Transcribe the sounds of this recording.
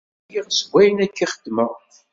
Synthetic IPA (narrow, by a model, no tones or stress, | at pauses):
iʁsɡʷːæjənækːiχəd̪ːməʁˤ